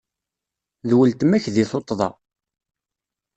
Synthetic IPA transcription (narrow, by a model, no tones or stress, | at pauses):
ðwəlt̪əmæçðiθot̪ˤːðˤɑ̰